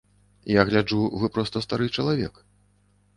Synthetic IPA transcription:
jaɣlʲad͡ʐuvɨpɾɔst̪ɐst̪aɾɨt͡ʂɐlˠavʲɛk

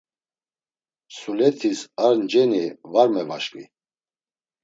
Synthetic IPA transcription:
sulɛt̪ʰisaɾnd͡ʒɛnivaɾmɛvaʃkʼvḭ

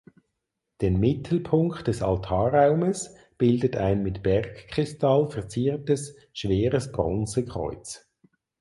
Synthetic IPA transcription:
d̥eːnmɪtʰl̩pʰʊŋktd̥ɛsaltʰɑːʁaʊməs | b̥ɪldətʰaɪnmɪtb̥ɛʁkkʁ̥ɪstalfɛɐt͡siːʁtəs | ʃveːʁəsb̥ʁɔ̰nt͡səkʁ̥ɔ̰ʏt͡s

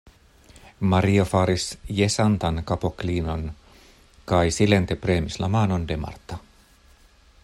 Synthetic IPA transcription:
mɑɾiofɑːɾisjesɑnt̪ɑnkɑpokliːnon | kɑjsilent̪epreːmislɑ̰mɑːnondemɑ̰rt̪ːˑɑ

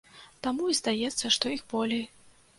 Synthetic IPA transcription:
t̪amuizd̪ajɛt̪sːɐʂt̪ɔixbɔlʲej

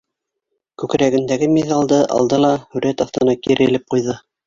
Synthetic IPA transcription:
kʉkɾæɡɘ̆nd̪æɡɘmʲiðɑlˠd̪ɤʔɑ̰lˠd̪ɤlˠɑhʉɾæt̪ɑθt̪ɤ̆nɑkiɾʔɘ̆lɘp̚qujðɤ

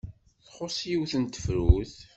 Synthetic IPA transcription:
θχosˤjiwθənt̪ə̥fɾuθ

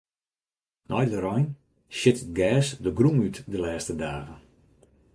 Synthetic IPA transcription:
nʔɔjdəɾɔjn | ʃɪtɡɛːsdəɡrumytdəlɛːstədaːɣən

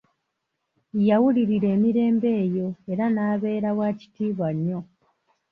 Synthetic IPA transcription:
jawuliɾiɾe̞ːmiɾe̞ːmbe̞ːjo̞e̞ɾanaːβe̞ːɾawaːci̥tiːβwaɲːo̞

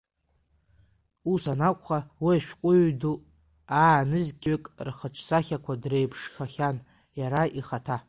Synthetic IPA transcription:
usanakʷʼχawiaʃᶣkʷʼʊɥdu | aːnɨzɡʲʼɥekʼrχəʈ͡ʂʰsaχʲakʷʰadre̞jpʰʂχʲaχʲan | jaɾaʔiχatʰa

